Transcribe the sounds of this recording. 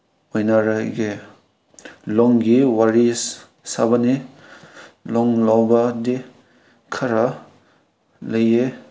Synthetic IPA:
ojnaɾaɡe | lɔŋɡiwaɾis | sa̰bani | lɔŋlawbadi | kʰɐɾa | lɐje

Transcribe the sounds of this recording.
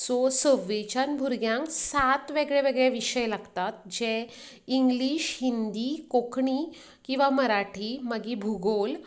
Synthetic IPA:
sɔsəʋːet͡ɕanbʱuɾɡjãŋksat̪ʋeɡɭeʋeɡɭjeʋiɕəjlaɡt̪at̪d͡ʑe | iŋɡliːɕhind̪ikokʰɳiː | kĩw̃ʋaməɾaʈʰiməɡibʱuɡol

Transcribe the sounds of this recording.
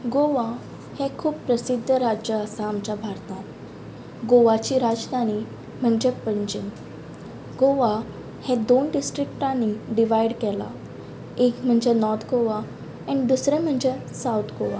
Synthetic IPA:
ɡoʋa | hɛ̃kʰuːbpɾəsid̪ʱːəɾad͡ʑjəəsãːmt͡ɕabʱaɾt̪ã | ɡoʋat͡ɕiːɾad͡zd̪ʱañi | m̤əɳd͡ʑepəɲd͡ʑən | ɡoʋa | hɛ̃d̪onɖisʈɾikʈãniɖiʋaiɽkɛla̰ | ekm̤əɳd͡zenɔɾt̪ʰɡoʋa | ãñid̪usɾɛ̃m̤əɳd͡ʑesawt̪ʰɡoʋa

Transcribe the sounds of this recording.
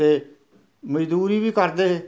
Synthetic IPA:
eː | məd͡ʒd̪uːɾiːbiːkəɾd̪eː

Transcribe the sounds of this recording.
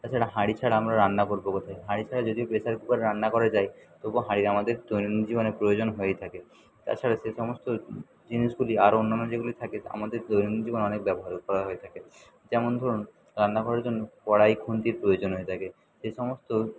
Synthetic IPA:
t̪aɾt͡ɕʰaɽaɦaɽit͡ɕʰaɽaamɾaɾandakoɾbokot̪ʰajɦaɽit͡ɕʰaɽad͡ʑod̪iopesaɾkupaɾeɾanːakɔɾad͡ʑajt̪oboɦaɽiɾamad̪eɾd̪ojnonid͡ʑibonepɾojod͡ʑonɦoejt̪ʰake | t̪a̰ɾt͡ɕʰaɽaʃeʃɔmost̪o | d͡ʑiniʃɡuliaɾonːanːod͡ʑeɡulit̪ʰakea̰mad̪eɾd̪ojnond͡ʑiboneɔnek̚bɛboɦaɾokɔɾaɦoet̪ʰake | d͡ʑɛmond̪ʱɔɾun | ɾand̪akɔɾaɾd͡ʑonːokɔɽajɡʱunt̪iɾpɾojod͡ʑonɦoet̪ʰake | ʃeʃɔmost̪o

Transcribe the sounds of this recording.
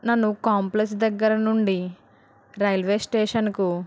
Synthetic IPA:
nɐnːukaːmpleksd̪ɐɡːɐɾɐnuɳɖi | ɾɐjlʋeːsʈeːʂɐnku

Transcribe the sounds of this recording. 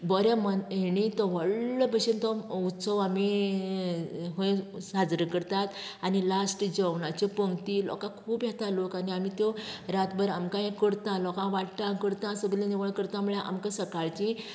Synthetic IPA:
bəɾjamənɦeɽ̃it̪ɔʋəɭləbəɕent̪ɔut̪səʋami | ɦõẽsad͡zɾəkəɾt̪at̪anilasʈd͡ʑəʋɳat͡ɕepəŋɡt̪ilɔ̰kãkʰuːbjɛt̪alokaniamit̪jɔɾat̪bəɾamkãẽkəɽt̪ãlɔkãʋaʈʈãkəɽt̪ãsəɡlẽniʋəɭkəɾt̪ãmuɭjãʔa̰mkãsəkaɭt͡ɕĩ

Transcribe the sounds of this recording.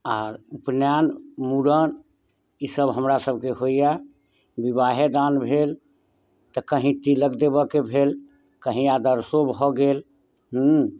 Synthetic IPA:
aːɾupnjanmuɽən | isəbɦəmɾasəb̚ʱkeɦoija | bibaɦed̪anbʱel | t̪əkəɦĩt̪iləɡd̪ebəkebʱel | kəɦĩad̪əɾsobʱɔɡel | ɦ

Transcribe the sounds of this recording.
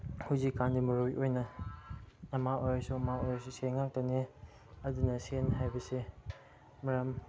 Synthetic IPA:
huwzikːandimɐɾojʔojnɐ | ɐmaʔojsuɐmaojsusenŋːak̚tane | ɐdunɐsenhajbɐse | mɐɾɐm

